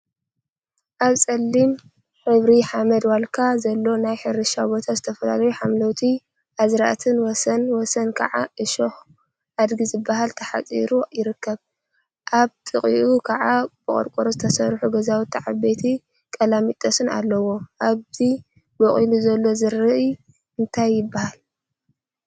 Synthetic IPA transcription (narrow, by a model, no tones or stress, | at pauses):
ʔaβsʼɐlːim | ħɨβɾiħamɐd̪walkʰazɐlːo̞najħɨɾɨʃabo̞t̪ʰazɨt̪ʰɐfɐla̰lɐjuħamlɐwt̪ʰi | ʔazɾaʔt̪ʰɨnwɔsɐnwɔsɐnkʰɐ̰ʕaʔɨʃox | ʔad̪ɡizɨbːaɦalt̪ʰɐħa̰t͡sʼḭɾujɪɾɨkːɐβ | ʔaβt̪ʼɨχʼiʔukʰɐʕab̥ɨχʼo̰ɾkʼoɾozɨt̪ʰɐsɐɾħuɡɐzawt̪ʰːiʕabet̪ʰi | kʼɐlamit̪ʼɐsɨna̰lːɐwo̞ʔaβzi | bɐχʼiluzɐlːo̞zɨɾɨʔ | ɨnt̪ʰajːɪbːahal